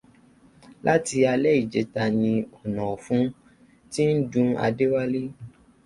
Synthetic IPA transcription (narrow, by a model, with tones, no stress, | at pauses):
lʔa˦ti˧a˧lɛ˦i˦˨d͡ʒe˨˦ta˧nĩ˧ɔ˨nã˨fũ˨˦ | ti˦n̩˦d͡ʒũ˦a̰˧de˦wa˦le˦